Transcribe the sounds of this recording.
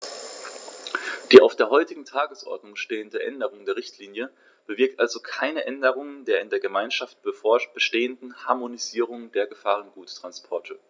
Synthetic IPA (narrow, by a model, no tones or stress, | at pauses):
d̥iːʔa̰ʊfd̥eːɐɦɔʏtɪɡŋ̩tʰaːɡəsʔɔ̰ɐdnʊŋʃteːəndəʔɛndəʁ̞ʊŋdeːɐʁɪçtʰliːnjə | b̥əvɪɐk̚tʔalzokʰaɪnəʔɛndəʁ̞ʊŋəndeːɐɪndeːɐɡəmaɪnʃaft̚b̥əb̥əʃteːəndn̩haɐmoniziːʁ̞ʊŋd̥eːɐɡəfaːʁ̞ənɡuːttːʁ̥anspʰɔɐtʰə